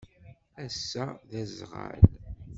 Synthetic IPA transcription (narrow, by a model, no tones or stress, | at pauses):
æsːæðæzʁa̰l